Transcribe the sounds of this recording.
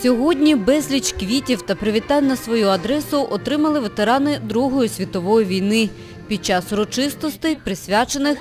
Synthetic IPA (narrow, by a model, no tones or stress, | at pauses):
sʲɔɦɔdʲnʲibɛzʲlʲit͡ʃkʋʲitʲiwt̪ɐpɾɪʋʲit̪ɑlʲnɐsʋɔjuɐd̪ɾɛsʊʔɔt̪ɾɪmɐlˠɪʋe̞t̪eɾɑnɪd̪ɾuɦɔjisʲʋʲit̪ɔʋɔjiʋʲijnɪ | pʲid̪̚t͡ʃɑsʊɾɔt͡ʃɪst̪ɔst̪ɪpɾɪsʲʋʲat͡ʃenɪx